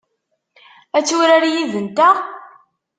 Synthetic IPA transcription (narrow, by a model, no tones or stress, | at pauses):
æt͡sːuɾaɾjiðənt̪æ